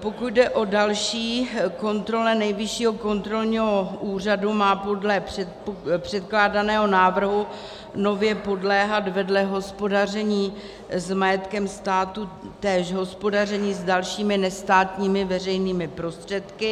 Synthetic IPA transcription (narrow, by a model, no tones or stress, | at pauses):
po̞kut̪̚dɛʔo̞dalʃiːko̞nt̪ɾo̞lɛnɛjvɪʃiːɦo̞ko̞nt̪ɾo̞lɲiɦo̞ʔuːr̝adumaːpodlɛprɛ | pr̝̥ɛt̪klaːdanɛːɦo̞naːvr̩ɦu | no̞vjɛpo̞dlɛːɦat̪vɛdlɛɦospo̞dar̝ɛɲiː | zmajɛt̪kɛmst̪aːt̪ut̪ɛːʃɦo̞spo̞dar̝ɛɲiːzdalʃiːmɪnɛst̪aːt̪ɲiːmɪvɛr̝ɛjniːmɪpɾo̞st̪r̝̥ɛt̪kɪ